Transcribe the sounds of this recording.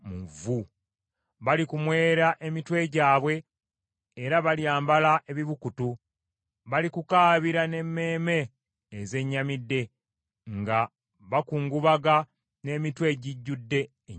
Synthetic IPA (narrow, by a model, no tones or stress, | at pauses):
muvu | βalikumwe̞ːɾaʔe̞mitwe̞ɟaːβwe̞ː | ɾaβaljaːmbalaʔe̞βiβukutu | βalikukaːβiɾane̞mːe̞ːme̞ː | ze̞ɲːamidːe̞ | ŋɡa | βakuːŋɡuβaɡa | ne̞ːmitwe̞ɟiɟːudːe̞